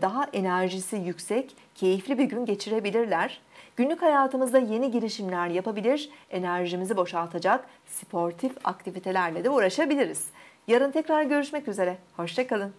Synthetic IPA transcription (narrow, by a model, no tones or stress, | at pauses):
d̪aɦaʔe̞næɾʒisijycsɛc | cʰːe̞jiflʲibiɟynɟe̞t͡ʃʰiɾe̞bilʲiɾlʲæɾ̥ɟ̥ynlʲychajaːt̪ʰɯmɯzd̪aje̞niɟiɾiʃimlʲæɾjapabilʲiɾ̥e̞næɾʒimizibo̞ʃalˠt̪ʰad͡ʒak | spʰo̞ɾt̪ʰifa̰k̚t̪ʰivit̪ʰe̞lʲæɾlʲed̪ɛuɾaʃabilʲiɾiz̥jaɾɯnt̪ʰɛcɾaɾɟø̞ɾyʃmɛcyze̞ɾɛho̞ʃt͡ʃʰakalˠɯn